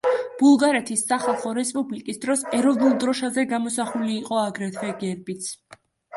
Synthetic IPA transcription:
b̥ulˠɡaɾɛt̪ʰisːaχalˠχɔɾɛspʼublikʼisd̪ɾɔsɛɾɔvnulˠd̪ɾɔʃazɛɡamɔsaχuliːqʼɔaɡɾɛt̪ʰvɛɡɛɾbit̪sʰ

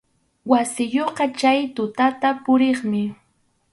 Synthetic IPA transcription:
wasɪjoqɑt͡ʃajt̪ʊt̪at̪apʊɾeχmɪ

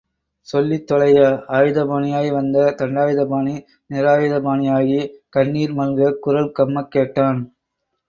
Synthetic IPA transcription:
sɔlːit̪ːɔlɐjɐaːjɯðɐbaːɳɪjaːjiʋɐnd̪ɐt̪ɐɳɖaːjɯðɐbaːni | nɪɾaːjɯðɐbaːnɪjaːɣikɐɳːiːɾmɐlɡɐkʊɾɐlkɐmːɐkːeːʈːaːn

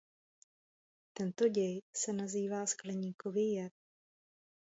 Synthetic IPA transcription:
t̪ɛnt̪o̞ɟɛjsɛnaziːvaːsklɛɲiːkovɪjɛt̚

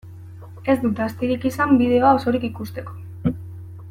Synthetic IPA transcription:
e̞zd̪ut̪ast̪iɾikisambið̞e̞oao̞so̞ɾikikust̪e̞ko̞̥

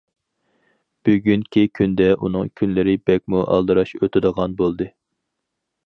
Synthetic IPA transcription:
b̥yɡʲynkʲʰikʲʰynd̪ɛʔunɨŋkʲʰynlɪɾɪbɛk̚ʲmuʔɑ̰lˠd̪ɨɾɑʃøt̪ʰɪd̪əʁɑnbolˠd̪ɨ

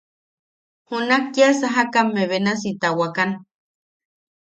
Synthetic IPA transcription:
hunakːiasaɦakamːeβenas̬it̪awakan

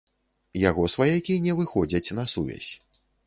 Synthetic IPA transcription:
jaɣɔsvajakʲinʲɛvɨxɔd͡zʲɐt͡sʲnɐsuvʲɛ̰sʲ

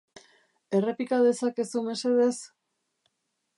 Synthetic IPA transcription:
e̞re̞pikaðe̞sake̞sume̞se̞ðe̞s

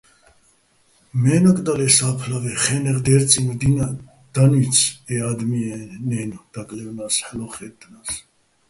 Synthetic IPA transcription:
mɛnɔkʼd̪alɛsaːpʰlavɛχɛnɛʁd̪ɛɾt͡sʼind̪ina | d̪̥anyt͡sʰɛad̪miɛnɛnd̪̥akʼlɛvnasħəlɔχɛt̪ʰʼːənas

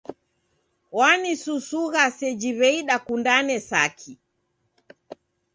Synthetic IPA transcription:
wanisusuɣasɛd͡ʒiβɛiɗakundanɛsa̰kʰi

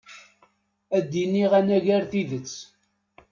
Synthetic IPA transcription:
æd̪ːinːiʁænæʝæɾθiðət͡sː

